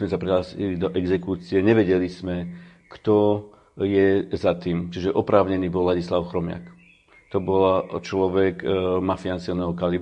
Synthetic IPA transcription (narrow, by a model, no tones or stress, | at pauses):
mɛsapɾɛɦaːsilid̪ɔʔɛɡzɛkuːt͡siɛɲɛʋɛɟɛlizmɛ | kt̪ɔ | jɛzat̪iːmt͡ʃiʒɛʔɔpɾaːʊɲɛniːbɔlːaɟislaʊxɾɔmɪa̰k | t̪ɔbɔlt͡ʃlɔʋɛkmafiansiɔlnɛɦɔkali